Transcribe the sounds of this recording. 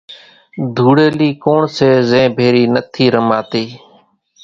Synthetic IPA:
d̪ʱuːɽeːliːkoːɳseːzẽːbʱeːɾiːnət̪ʰiːɾəmaːt̪iː

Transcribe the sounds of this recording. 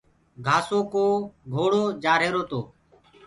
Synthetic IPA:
ɡʱaːsoːkoːɡʱoːɽoːd͡ʒaːɾeːɾoːt̪oː

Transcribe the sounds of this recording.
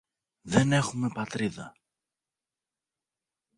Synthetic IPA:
ðe̞ne̞xume̞pɐt̪ɾiðɐ̰

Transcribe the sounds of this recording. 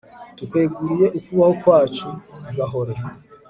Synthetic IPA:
tukwe̞ːɡuɾije̞ʔukuβaho̞kwaːt͡ʃuɡaɦo̞ɾe

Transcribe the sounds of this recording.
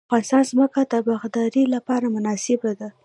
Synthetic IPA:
aɣɑnɪst̪ɑnzməkad̪əbaɣd̪ɑɾilapɑɾamʊnɑsɪbad̪a

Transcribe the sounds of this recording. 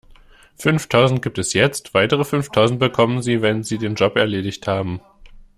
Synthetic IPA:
fʏnftʰaʊzn̩t̚ɡ̥iːp̚tɛsjɛt͡stv̥aɪtəʁ̞əfʏnftʰaʊzn̩t̚b̥əkʰɔmənziːvɛnziːdeːnd͡ʒɔpɛɐleːdɪçthaːbm̩

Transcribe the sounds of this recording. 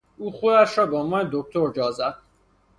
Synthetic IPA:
uːχuæʃɾɔbɒːmɒːned̪ok̚t̪ʰoɾd͡ʒɒːzæd̪̥̚

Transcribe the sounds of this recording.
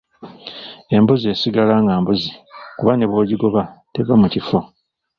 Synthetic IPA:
e̞mbuze̞ːsiɡalaːŋɡaːmbuzikuβane̞βwoːɟiɡo̞βatevamucifo

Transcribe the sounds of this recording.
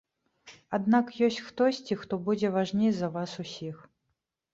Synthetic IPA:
ad̪nakjɔsʲt͡sʲxt̪ɔsʲt͡sʲixt̪ɔbud͡zʲɛvaʐnʲejzɐvasusʲix

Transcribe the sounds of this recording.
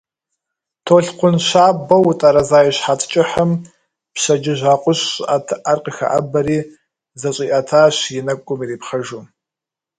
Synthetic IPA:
tʰoːɬqʷʊnɕaːbɐwʊtʼɐɾɐzaːjɛɕħaːtʰt͡ʃʼɪħəm | pɕɐd͡ʒɪʒʷaːqʷʼʊɕatʰʔarqʼəxɐ̰ʔɐ̰bɐɾiː | zɐɕʼiːʔɐtʰaːɕjɪnɐkʷʼʊmiːreːpχɐʒuː

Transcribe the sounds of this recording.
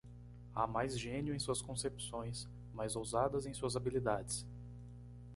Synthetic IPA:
a̰majzʒẽnjʊẽj̃suɐskõsepsõj̃s | majzowzad̪ɐzẽj̃suɐzabilid̪ad͡ʒɪs

